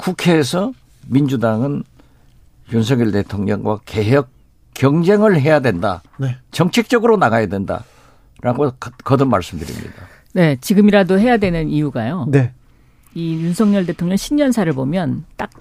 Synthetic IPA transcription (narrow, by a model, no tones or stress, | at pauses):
kukʰe̞ːsʰʌ | mind͡ʑudaŋɯn | junsʰʌŋɲʌɭde̞tʰoŋɲʌŋɡwake̞ɦjʌk̚ | k͈ːjʌŋd͡ʑe̞ŋɯɭɦe̞jadwe̞nda̰net͡ɕʌŋt͡ɕʰek̚t͡ɕ͈ʌɡɯɾonaɡajadwe̞nda̰ | ɾaɡokkʌdɯnmaɭs͈ɯmdɯɾḭmɲḭda | ne̞t͡ɕiɡɯmiɾadoɦe̞jadwe̞nɯnijuɡajone | ijunsʰʌŋɲʌɭde̞tʰoŋɲʌŋɕʰinɲʌnsʰaɾɯɭbomjʌnt͈ak̚